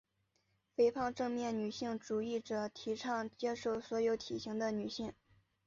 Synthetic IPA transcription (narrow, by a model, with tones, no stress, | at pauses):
fe˥ɪpʰɑ˥˧ŋʈ͡ʂɤ˥˧ŋmjɛ˥˩nny˨˩ɕi˥˩ŋʈ͡ʂu˨˩i˥˩ʈ͡ʂɤ˨˩t̪ʰi˧˥ʈ͡ʂʰɑ˥˩ŋt͡ɕjɛ˥ʂo˥˩ʊswɔ˧˥jo˧˥ʊt̪ʰi˨˩ɕi˧˥ŋd̪ə˧ny˨˩ɕi˥˩ŋ